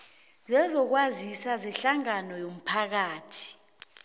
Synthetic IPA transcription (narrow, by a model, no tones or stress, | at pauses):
zɛzɔk̬wazisazɛɬaŋanɔjom̩pʰak̬aːtʰi̥